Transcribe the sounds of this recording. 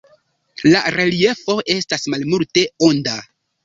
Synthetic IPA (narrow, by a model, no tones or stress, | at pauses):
laɾe̞lie̞fo̞ʔe̞stasmalmulte̞onda